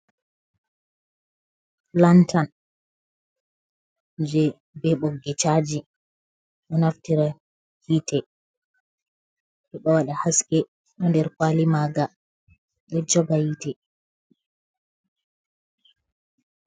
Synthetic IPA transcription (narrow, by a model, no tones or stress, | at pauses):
lantʰan | d͡ʒɛ | bɛɓɔɡɛt͡ʃad͡ʒi | ɗɔnaftiɾa | hitɛ | ɗɛɗɔwaɗahaskɛ | ɗɔndɛɾkwalimaɡa | ɗɔd͡ʒɔɡajitɛ